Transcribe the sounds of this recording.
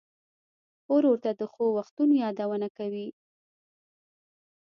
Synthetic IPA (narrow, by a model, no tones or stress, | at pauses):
oɾowəɾt̪ad̪əxowaxt̪unojɑd̪awənakawi